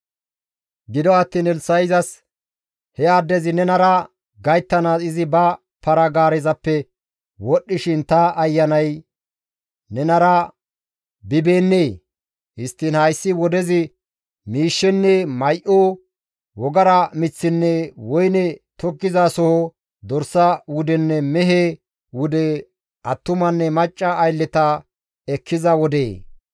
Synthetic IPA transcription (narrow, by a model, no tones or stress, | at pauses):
ɡɪd̪ɔɐt̪ːiːnɛlsɐjɪzɐs | hɛad̪ːɛzɪnɛnɐɾɐ | ɡɐjt̪ːɐnaːsɪzɪbɐ | pɐɾɐɡaːɾɛzɐpːɛ | wɔɗːɪʃɪnt̪ɐːjːɐnɐj | nɛnɐɾɐ | bɪbeːnːeː | hɪst̪ːɪnhɐjsːɪwɔd̪ɛzɪ | miːʃːɛnːɛmɐjʔo | wɔɡɐɾɐmɪt͡sːɪnːɛwɔjnɛt̪ɔkːɪzasɔhɔ | d̪ɔɾsːɐwʊd̪ɛnːɛmɛɦe | wʊd̪ɛ | ʔɐt̪ːʊmɐnːɛmɐt͡ʃʼːɐːjlːɛt̪ɐ | ɛkʰːɪzɐwɔd̪ḛː